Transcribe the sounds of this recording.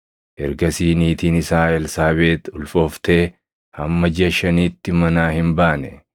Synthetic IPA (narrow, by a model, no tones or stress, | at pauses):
ʔɛɾɡɐsiːniːt̪iːnɪsaːɛlsaːbe̞ːt̪ʊlfoːft̪eː | hɐmːɐd͡ʒɪɐʃɐniːt̪ːɪmɐnaːhɪmbaːnɛ